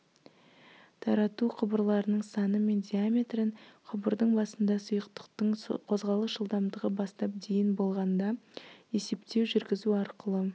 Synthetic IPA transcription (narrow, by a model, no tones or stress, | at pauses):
t̪ʰɑɾɑt̪uqʰəbəɾlˠɑɾənəɴsɑnəme̞nd̪ʲiamʲe̞t̪rəɴqʰəbəɾd̪əɴbɑsənd̪ɑsʊjəqt̪ə̥qt̪əɴqʰo̞zʁɑlˠəsʒəlˠd̪ɑmd̪əʁəbɑst̪ɑp̚d̪e̞jɪnbo̞lˠʁɑnd̪ɑe̞se̞pt̪e̞wʒʏɾɡʲɪzuɑɾqəlˠə